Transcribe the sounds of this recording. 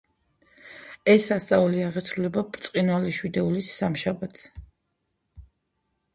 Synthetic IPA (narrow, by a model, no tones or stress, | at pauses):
ɛsːast̪sʼauliaʁɛt̪sʰɾulɛbapɾt̪sʼqʼinwalɛʃwid̪ɛulisːamʃabat̪ʰs